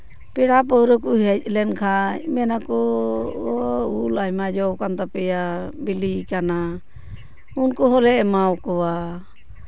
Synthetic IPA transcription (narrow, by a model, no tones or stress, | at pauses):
pɛɽap̬ɔwɾɔkuɦɛc̚ˀlɛnkʰamɛnakɔ | ulamad͡ʒɔwkant̪apɛjabilikana | unkɔɦɔlɛmawkɔwa